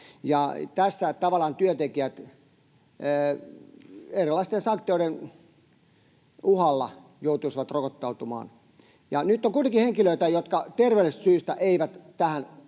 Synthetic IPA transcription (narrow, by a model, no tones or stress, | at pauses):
jɑt̪æsːæt̪ɑʋɑlɑːnt̪yøt̪ekiæt̪ | erilːˑɑist̪ensɑŋkt̪ioiɾen | uhɑlːɑ | jout̪uisʋɑt̪rokot̪ːɑut̪umɑ̰ːn | jɑnyt̪ːoŋkuit̪eŋkiheŋkiløit̪æjot̪kɑt̪erʋeˑlst̪syːst̪æʔeiʋæt̪t̪æhæn